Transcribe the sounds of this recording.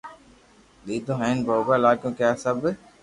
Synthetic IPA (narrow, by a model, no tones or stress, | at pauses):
ɗ̪iːd̪õːɦẽːnboːbaːlaːkõːkaːsəb